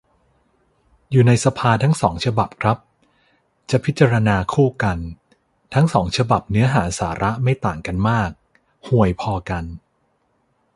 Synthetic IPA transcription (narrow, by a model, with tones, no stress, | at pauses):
juː˨˩na˧jsa˧pʰaː˧t̪ʰa˦˥ŋsɔː˩˦ŋt͡ɕʰa˧ba˨˩p̚kʰɾa˦˥p̚ | t͡ɕa˨˩pʰi˦˥t̪̚t͡ɕa˧ɾa˧naː˧kʰuː˥˩ka˧n | t̪ʰa˦˥ŋsɔː˩˦ŋt͡ɕʰa˧ba˨˩p̚nɯ˦˥ɐɦaː˩˦saː˩˦ɾʔa˦˥ma˥˩jt̪aː˨˩ŋka˧nmaː˥˩k̚ | hu˨˩əjpʰɔː˧ka˧n